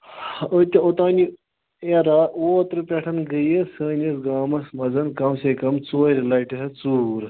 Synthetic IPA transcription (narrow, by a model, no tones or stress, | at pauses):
ot̪ʲeot̪aːni | eɾawoːt̪ɾɨpʲeʈʰɐnɡəjesəːnʲɐsɡaːmɐsmɐzɐnkɐmsekɐmt͡soːɾilɐiʈiɦɐt͡suːɾ